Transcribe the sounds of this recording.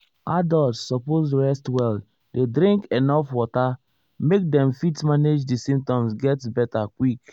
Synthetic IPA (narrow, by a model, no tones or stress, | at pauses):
adɔltsːɔposɹɛstwɛl | dedɾĩŋkenɔfwɔta | mek̚dɛ̃mfitmaned͡ʒdisĩmp̚tɔ̃msɡɛtbɛtakwik